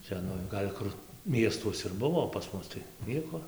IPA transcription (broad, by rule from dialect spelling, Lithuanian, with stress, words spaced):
ˈt͡sʲɛ nʊ ˈɡɐlʲ kʊr ˈmʲiɛstuɔs ɪr ˈbʊʋoː oː pɐs ˈmʊs tɐɪ ˈnʲiɛkoː